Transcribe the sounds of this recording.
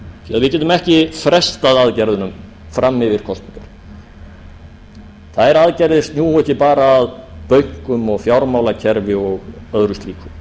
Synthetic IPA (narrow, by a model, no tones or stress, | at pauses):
θiaðvɪðcɛːt̪ːʏmɛhcɪfɾɛst̪aðaðcɛɾðʏnʏm | fɾʔamːɪvɪɾ̥kʰɔst̪niŋk̪aɾ̥ | θaðɛɾaðcɛɾðɪst̪njuːhɔhcɪpaːɾaːðpœɥkʏmɔɣfjawɾmawlacʰɛɾvɪɔɣœðɾʏst̪liːkʏm